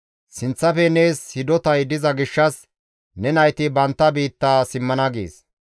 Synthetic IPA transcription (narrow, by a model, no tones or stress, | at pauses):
sɪnt͡sːɐfɛne̞ːshɪd̪ɔt̪ɐjd̪ɪzɐɡɪʃːɐs | nɛnɐjt̪ɪbɐnt̪ːɐbiːt̪ːaːsɪmːɐnɐɡḛːs